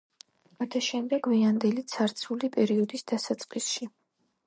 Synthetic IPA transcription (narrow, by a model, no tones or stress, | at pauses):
at̪ʰaʃɛmd̪ɛɡviand̪ɛlit̪sʰaɾt̪sʰulipʼɛɾiɔd̪isd̪̥asat̪sʼqʼisʃi